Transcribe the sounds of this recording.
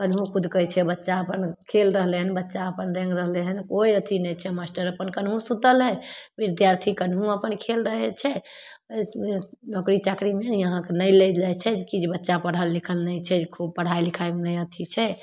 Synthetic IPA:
kənɦũkʰud̪ʱkəjt͡ʃʰɛbətːʃaəpənkʰelɾəɦleɦənbətːʃaəpənɾɛ̃ŋɡɾəɦleɦənkoiət̪ʰinɛt͡ʃʰɛmasʈəɾəpənkənɦũsud̪əlɦɛbid̪jaɾt̪ʰikənɦũəpənkʰelɾəɦɛt͡ʃʰɛ | əjsenɔkɾit͡ʃakɾimenəɦãkenəjlelɛt͡ʃʰɛkid͡ʒebətːʃapəɽ̤əlːikʰəlnəjt͡ʃʰɛd͡ʒkʰub̚pəɽ̤ajlikʰajmnəjət̪ʰit͡ʃʰɛ

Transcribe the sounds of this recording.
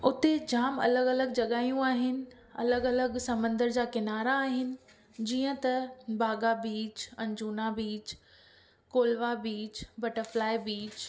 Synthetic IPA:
ʊt̪ed͡ʑaːmɐ̰ləɡɐləɡd͡ʑɐɠaːijũaːɦɪnɪ̆ | ɐ̰ləɡɐləɠsɐmə̃nd̪əɾd͡ʑaːkɪnaːɾaːɦɪnɪ̆ | d͡ʑiːə̃t̪ɐbʱaːɠabiːt͡ɕɐ̃ɲd͡ʑuːnabiːt͡ɕ | koːlʋabiːt͡ɕbɐʈəɾflaːɪbiːt͡ɕ

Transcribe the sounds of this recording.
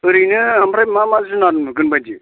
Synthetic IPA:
ɯɾɯjnɯamɾajmamazɯnaɾɯnmɯɡɯnbajd͡ʒi

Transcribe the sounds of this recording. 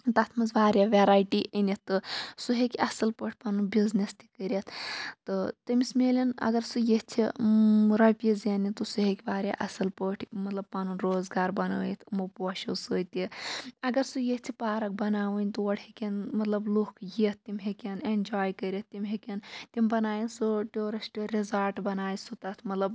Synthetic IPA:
t̪ɐt̪ʰmɐzʋaːɾʲjaːʋeɾaːjʈiʔinit̪ːɨsuɦekʲɐsɨlpəʈʰʲpɐnunbiznest̪i̥kəɾʲɐt̪ʰt̪ɨt̪ɐmismeːlʲɐnɐ̰ɡɐɾsujeht͡sʰi | ɾɐpʲizanit̪usuɦekʲiʋaːɾʲja̰ːʔɐsɐlpəʈʰmɐt̪lɐb̚pɐnunɾoːzɡaːɾbɐnɐːjit̪ʰmupoːʃɐsɨːt̪iɐɡɐɾsujett̪ʰipaːɾɐk̚bɐnaːʋɨnʲt̪uʋɐɽikʲɐnmɐt̪lɐblukʰjit̪̚ʰt̪ːimʲɦekʲɐnend͡ʒaːjkəɾʲɐt̪̚ːʲimʲɦekʲɐnt̪imbɐnaːjinsuʈoːɾɐsʈiɾizɐlʈbɐnaːjisut̪ɐt̪ʰmɐt̪lɐb

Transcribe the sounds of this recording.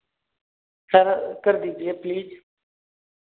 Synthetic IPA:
səɾkəɾd̪iːd͡ʒɪeːpliːz

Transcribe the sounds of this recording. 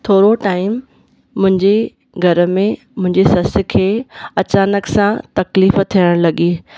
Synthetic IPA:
t̪ʰoːɾoʈaːɪmː | ʊ̃ɦɪ̃ɲd͡ʑe | ɡʱɐɾə̆mẽ | mʊ̃ɦɪ̃ɲd͡ʑesɐsɪ̆kʰeːɐt͡ɕaːnəksãt̪ɐkliːft̪ʰijəɽ̃lɐɠiː

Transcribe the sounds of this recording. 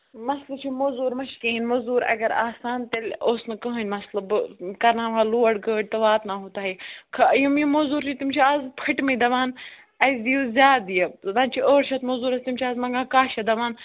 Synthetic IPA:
mɐslɐt͡ʃʰumozuːɾmɐʃkiinmɐzuːɾɐ̰ɡɐɾa̰ːsaːnt̪elʲoːsnɐkəɦɐnʲmɐslɐbkɐɾnaːʋaːluːɐɽɡəːʈ̚t̪ɐʋaːt̪naːɦut̪aːɦikʰɐjumjimozuːɾt͡ʃʰit̪imt͡ʃʰiaːzpʰɐʈmɐd̪ɐʋaːn | ɐzd̪ijuzʲjaːd̪ijɐd̪ɐnt͡ʃʰiʔoːɾʃʰɐt̪mɐzuːɾɐst̪imt͡ʃʰiaːzmɐŋɡãːkaːʃɐd̪ɐʋaːn

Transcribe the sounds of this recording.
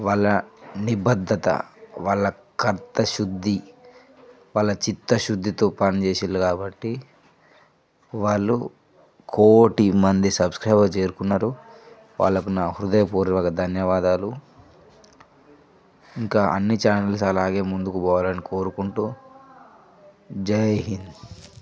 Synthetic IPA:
ʋaːɭːɐnibɐd̪ʱːɐt̪ɐ̰ʋaːɭːɐ | kɐɾt̪ɐʃud̪ʱːi | ʋaːɭːɐt͡ʃit̪ːɐʃud̪ːit̪oːpɐnit͡ʃeːsilːukaːbɐʈːi | ʋaːɭːu | kʰoːʈimɐnd̪isɐbskɾaːbɐt͡ʃe̞ːɾukunːaːɾu | ʋa̰ːɭːɐkunaːhuɾud̪ɐjɐpoːɾiʋakɐd̪ʱɐnjɐʋaːd̪aːlu | iŋkaːʔɐnːit͡ʃaːnɐls̬ɐlaːɡe̞ːmund̪ukubɔːʋalɐniko̞ːɾukuɳʈuː | d͡ʒɐjɦin

